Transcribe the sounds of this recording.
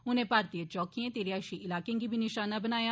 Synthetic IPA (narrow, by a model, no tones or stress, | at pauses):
ʊnẽːpaːɾt̪ijət͡ʃɔːkiẽːt̪eɾiaːʃiʔɪlaːkẽŋɡibʱinɪʃaːnaːbənaːja